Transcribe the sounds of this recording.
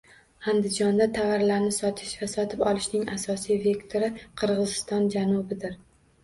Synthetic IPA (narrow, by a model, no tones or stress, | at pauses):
and̪ɪd͡ʒɒnd̪at̪ʰavaɾlaɾnɪsɒt̪ʰɪʃvasɒt̪ʰɪpɒlˠɪʃnɪŋasɒsijve̞kt̪ʰoɾɪqʰɨɾʁɨzɪst̪ɒnd͡ʒanʊbɪd̪ɪɾ